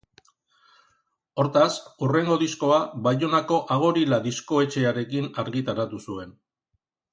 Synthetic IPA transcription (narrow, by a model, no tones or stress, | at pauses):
o̞ɾt̪asure̞ŋɡo̞ðisko̞aβajonako̞ʔaɣ̞o̞ɾilaðisko̞e̞t͡ʃe̞aɾe̞kinaɾɣit̪aɾat̪usue̞n